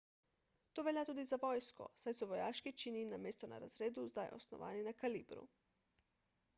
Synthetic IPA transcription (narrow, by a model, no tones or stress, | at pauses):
t̪oːʋeljat̪uːd̪izaʋojskɔ̰sajsɔʋojaːʃkit͡ʃininameːst̪ɔna̰ɾa̰zɾeːd̪uzd̪ajʔo̰snɔ̰ʋa̰ːninakalḭːbɾṵ